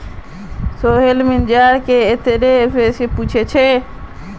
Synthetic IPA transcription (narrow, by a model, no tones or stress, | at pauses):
soːɦelmɪnd͡ʒaːɾkeet̪eɾepeseput͡ʃʰet͡ʃʰe